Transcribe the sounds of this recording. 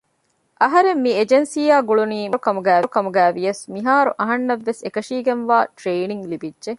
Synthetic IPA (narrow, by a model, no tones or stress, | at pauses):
ʔɐɦɐɾemːied͡ʒensiːaːɡuɭuniːmɾkɐmuɡæːkɐmuɡæːʋijɐsmiɦaːɾuʔɐɦɐnːɐʋːesekɐʃiːɡenʋaːʈɾeːniŋlibidʒe